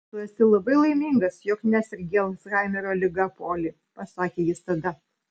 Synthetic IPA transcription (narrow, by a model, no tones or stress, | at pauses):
t̪ʊɐst̪ʲɪlˠɐbɐɪlˠɐɪmʲiːŋɡɐsjɔknʲæsʲɪɾʲɡʲeːlˠɐsɣɑɪmʲɪɾoːlʲɪɡɐpoːlʲiː | pɐsɑːkʲeːjɪst̪ɐd̪ɐ